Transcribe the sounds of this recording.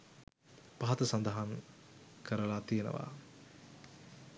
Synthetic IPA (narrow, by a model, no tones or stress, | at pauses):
paɦaɐt̪əsand̪əɦaŋ | kəɾəlat̪ijenə̰ʋa̰